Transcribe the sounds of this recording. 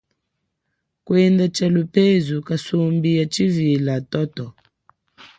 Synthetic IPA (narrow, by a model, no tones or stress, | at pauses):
kwɛndat͡ʃalupɛzukasumbijat͡ʃivilatɔtɔ